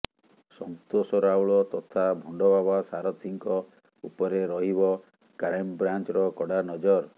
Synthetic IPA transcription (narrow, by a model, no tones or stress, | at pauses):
sɔŋt̪osɔɾawɭɔt̪ɔt̪ʰabʱɔɳɖɔbabasaɾɔt̪ʰiŋkɔ | upɔɾeɾɔɦibɔ | kaɾajmbɾant͡ʃɔɾɔkɔɽanɔd͡ʒɔɾ